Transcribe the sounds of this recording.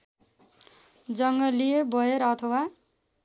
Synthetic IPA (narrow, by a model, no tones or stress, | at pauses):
d͡zʌŋɡʌlijebʌjeɾʌt̪ʰʌwa